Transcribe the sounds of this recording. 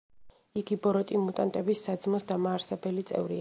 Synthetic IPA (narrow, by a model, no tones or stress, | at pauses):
iɡibɔɾɔt̪ʼimut̪ʼant̪ʼɛbisːad̪zmɔsd̪amaːɾsɛbɛlit̪sʼɛ̰vɾḭ